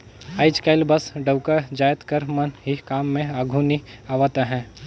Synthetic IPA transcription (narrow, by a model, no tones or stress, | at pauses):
aːɪt͡ʃkaːɪlbɐsɖəwkəd͡ʒaːjət̪kəɾmɐnɦikaːmːẽaːɡʱuniaːʋat̪aɦɛ̃ː